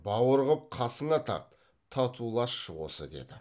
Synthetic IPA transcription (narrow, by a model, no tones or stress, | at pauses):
bɑwəɾʁəp̚qʰɑsəɴɑt̪ʰɑ̰ɾt̪ʰː | ɑt̪ʰulˠɑʃːəwo̰sə̰d̪e̞̰d̪ɪ